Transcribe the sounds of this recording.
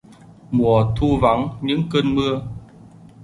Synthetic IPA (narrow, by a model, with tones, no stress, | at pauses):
mu˨˩ət̪ʰu˧va˨˦ŋɲɨ̰˧˥ŋkəː˧nmɨ˧ə